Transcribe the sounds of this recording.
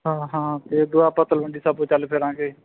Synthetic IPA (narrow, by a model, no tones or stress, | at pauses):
ɦãːɦãːt̪eːd̪ʊaːpət̪əlʋəɳɖiːsəbõːt͡ʃəlpʰɪɾãːkeː